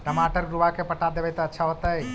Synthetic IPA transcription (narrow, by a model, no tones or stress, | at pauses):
ʈəmaːʈəɾɡɾuʋakepɐʈad̪eʋəjt̪aətːʃʰaɦot̪aɛ